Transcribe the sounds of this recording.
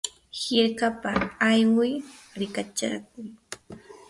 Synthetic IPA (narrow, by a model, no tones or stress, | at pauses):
hɪɾkapaːjwajɾɪkat͡ʃa̰k̚ʊŋ